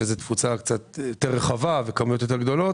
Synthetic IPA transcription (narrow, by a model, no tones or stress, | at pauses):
ezet̪fut͡sakt͡sat̪jotːeʁːeχavavekamujot̪̬jo̞t̪̬e̞ʁɡd̪o̞lo̞